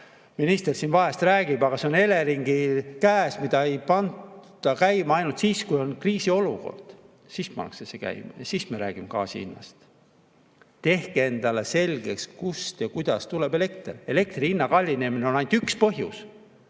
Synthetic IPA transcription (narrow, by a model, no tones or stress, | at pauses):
minist̪e̞rsinvɑɦest̪ræːɡ̥ib̥ɑɡ̥ɑseone̞leɾiŋɡ̥ikæːsmid̪̥ɑejpɑnd̪d̪̥ɑkæjmɑɑjnult̪siːskujo̞nkriːsio̞luko̞̰rd̪̥ | siːspɑ̰nːɑ̰ksesekæ̰jmɑ̰jɑsiːsmeɾæːɡ̥imekɑ̰ːsḭḭnːɑ̰st̪ | t̪e̞hkee̞nd̪̥ɑle̞se̞lʲɡ̥e̞̰kskust̪jɑkujd̪̥ɑst̪ulebe̞le̞kt̪re̞le̞k̚t̪riinːɑkɑlʲːine̞mineo̞nɑjnt̪ykspɤɦjṵs